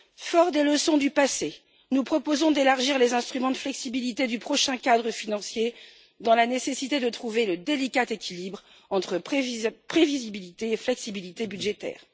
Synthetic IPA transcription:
fɔʁd̪eləsɔ̃d̪ypase | nupχɔpozɔ̃d̪elaʁʒiʁlezɛ̃st̪χymɑ̃d̪əflɛksibilit̪ed̪ypχɔʃɛ̃kʲad̪ʁəfinɑ̃sje | d̪ɑ̃lanesesit̪ed̪ət̪χuveləd̪elikʲat̪ekʲilibʁ | ɑ̃t̪χəpχevizibilit̪eːflɛksibilit̪ebyd̪ʒet̪ɛ̰ːʁ

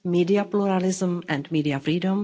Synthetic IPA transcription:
midiapluɾalɪzə̃mɛ̃ndmiːdiafɾiːdə̃m

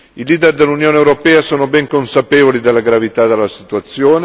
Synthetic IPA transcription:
iliːd̪erd̪elːunjoːnewɾopɛːasoːnobɛŋkonsapeːvolid̪elːaɡɾavit̪ad̪elːasit̪uat̪sːjoːn

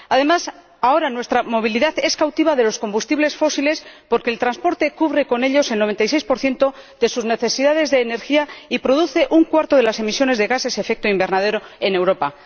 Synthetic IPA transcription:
aðe̞mas | ao̞ɾanwe̞st̪ɾamo̞β̞iliðaθe̞skawt̪iβaðe̞lo̞sko̞mbust̪iβle̞sfo̞sile̞spo̞ɾke̞ːlt̪ɾanspo̞ɾt̪e̞kuβɾe̞ko̞ne̞ʎo̞se̞lnoe̞nt̪ajse̞jspo̞ɾθje̞nt̪o̞ðe̞suzne̞θe̞siðað̞e̞zðe̞ːne̞ɾxiaipɾo̞ðuθe̞ʔuŋkwaɾt̪o̞ðelase̞misjo̞ne̞zðeɣase̞se̞fe̞k̚t̪o̞imbe̞ɾnað̞e̞ɾo̞e̞ne̞wɾo̞pa

